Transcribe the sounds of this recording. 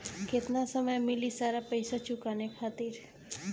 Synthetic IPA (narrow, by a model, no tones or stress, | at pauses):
ket̪nasəməjmɪlisaɾapəjsat͡ʃukanekʰaːt̪iɾ